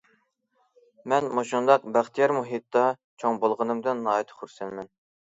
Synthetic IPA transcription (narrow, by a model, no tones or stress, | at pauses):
mɛnmoʃund̪ɑq̚bæχt̪ʰijɛɾmuɦit̪ːɑ | t͡ʃʰoŋbolˠʁənɨmd̪ɨnːɑːɛt̪ʰχuɾsɛnmɛn